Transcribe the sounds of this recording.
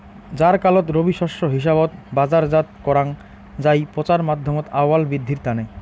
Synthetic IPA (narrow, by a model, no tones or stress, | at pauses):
d͡ʑaɾkalot̪ɾobiʃɔʃoɦiʃ̬abot̪bad͡ʑaɾd͡ʑat̪̚kɔɾaŋ | d͡ʑajpɾot͡ɕaɾmad̪ʱːomot̪awalbɾid̪ʱːiɾt̪ane